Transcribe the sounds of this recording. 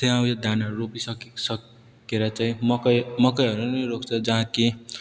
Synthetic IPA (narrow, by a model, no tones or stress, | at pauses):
t̪eʌw̃jʌd̪anaropisʌksʌk | keɾʌt͡saĩmʌkʌmʌkʌjɦʌɾunʌjrokʰt͡sʰʌd͡zʌɦãke